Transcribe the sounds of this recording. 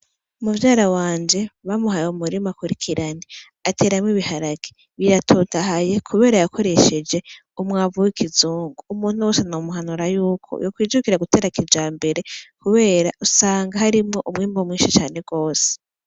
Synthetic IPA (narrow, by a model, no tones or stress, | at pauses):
umuvjaːɾawaːɲd͡ʒe̞βamuɦajomuɾimakuɾikʰiɾane | atʰe̞ːɾamŋiβihaɾaɡ̥i | βiɾatʰoːtaɦaje̞kʰuβe̞ːɾajako̞ɾe̞ʃe̞d͡ʒe̞ | umŋaːvuwikʰizuːŋɡuumuːn̥huwoːsenomuɦanuɾajuːkʰo̰jokwiːd͡ʒukiɾaɡutʰe̞ːɾakʰid͡ʒaːmbe̞ɾe̞kuβe̞ːɾausaːŋɡahaɾimŋo̞ʔumŋiːmbomŋiːnʃit͡ʃaːne̞ɡ̥o̞ːse̥